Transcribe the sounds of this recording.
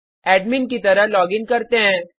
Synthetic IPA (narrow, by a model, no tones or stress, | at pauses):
ɛːɖminkit̪ɐɾəɦlɔːɡɪ̃ŋkɐɾt̪eɦɛ̃ː